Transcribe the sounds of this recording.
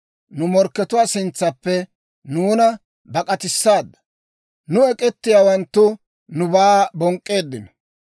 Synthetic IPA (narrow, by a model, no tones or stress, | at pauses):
nʊmɔɾkːɛt̪ʊwaːsɪnt͡sːɐpːɛ | nuːnɐ | bɐkʼɐt̪ɪsːaːd̪ːɐ̥ | nʊɛkʼɛt̪ːɪjaːwɐnt̪ːʊ | nʊbaːbɔŋkʼːeːd̪ːɪnɔ